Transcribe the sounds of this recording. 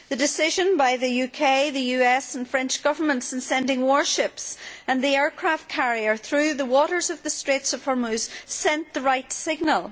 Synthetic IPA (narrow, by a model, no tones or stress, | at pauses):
ðɨdɨsɪʒə̃nbaɪðɨjʉkʰeɪðɨjʉɛsnfɹɛ̃nt͡ʃɡ̥ʌvə˞mə̃ntsnsɛ̃ndɪ̃ŋwɔɹʃɪpsə̃nðiɛɹkʰɹ̥aft̚kʰaɹiə˞θɹʉðəwɔʔə˞zʌvðɨstɹ̥etsʌv̥həɹmʉz̥sɛ̃nðəɹaɪtsɪɡ̚nəlˠ